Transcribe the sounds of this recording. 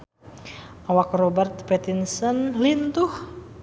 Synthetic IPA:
ʔawakrobərt̪pɛt̪insənlint̪uh

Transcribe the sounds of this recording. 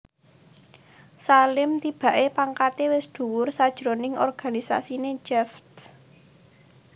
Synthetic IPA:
salɪmt̪ib̥ä̤ʔepaŋkat̪ewɪsd̪̥ṳwʊrsad̥ʒ̥ɾonɪŋɔ̰rɡ̥a̤nisa̰sine̥d͡ʒɛft̪

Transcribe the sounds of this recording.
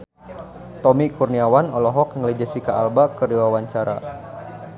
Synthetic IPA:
t̪ɔmikurniawanɔlɔɦɔk̚ŋələd͡ʒəsikaʔalbakərdiwawaɲt͡ʃaɾa̰

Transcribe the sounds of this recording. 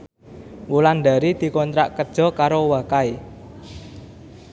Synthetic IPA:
wuland̪a̤ɾid̪̥i̤kɔnt̪ɾaʔkəd̥ʒ̥ɔ̤kaɾowakae

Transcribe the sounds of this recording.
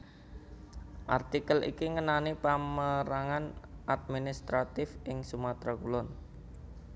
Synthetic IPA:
ʔart̪ikəlʔḭkiŋənanipaməɾaŋanʔad̪̚minist̪ɾat̪ɪfʔɪŋsumat̪ɾakulɔn

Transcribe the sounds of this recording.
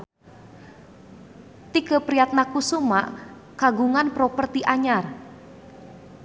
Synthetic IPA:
t̪iɡə̤pɾiat̪̚nakusumaʔ | kaɡuŋanpɾopərt̪iʔaɲar

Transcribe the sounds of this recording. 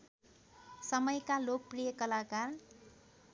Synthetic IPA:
sʌmʌjkalok̚prijʌkʌlakar

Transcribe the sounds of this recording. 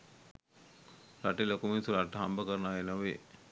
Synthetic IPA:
raʈelokuminsuɾaʈːəɦambəkəɾnaenoʋe

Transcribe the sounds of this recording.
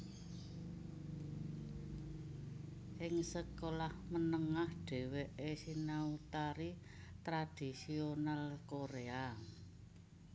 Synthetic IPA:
ʔɪŋsəkolahmənəŋahɖ̥e̤weʔesinaut̪aɾi | t̪ɾad̪̥i̤sionalkoɾea

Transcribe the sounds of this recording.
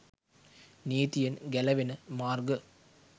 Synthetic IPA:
niːt̪ɪjɐnɡɛlɐʋɪnɐmaːɾɡɐ

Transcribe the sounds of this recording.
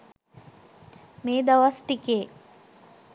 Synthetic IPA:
meːd̪aʋasʈikeː

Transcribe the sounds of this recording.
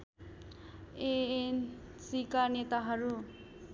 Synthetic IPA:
een | sikanet̪aɦʌɾu

